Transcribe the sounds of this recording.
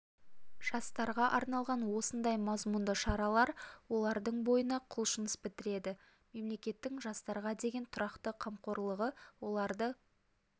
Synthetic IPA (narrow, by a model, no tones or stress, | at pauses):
ʒ̥ɑst̪ɑɾʁɑʔɑɾnɑlˠʁɑnwo̞sənd̪ɑjmɑzmund̪əʃɑɾɑlˠɑɾwo̞lˠɑɾd̪əɴbo̞jənɑqʰʊlˠʃənəspɪt̪ɪɾe̞d̪ɪ | me̞mle̞kʲe̞t̪ːɪŋʒɑst̪ɑɾʁɑd̪e̞ɡʲe̞nt̪ʰʊɾɑqt̪əqʰɑmqo̞ɾlˠəʁəwo̞lˠɑɾd̪ə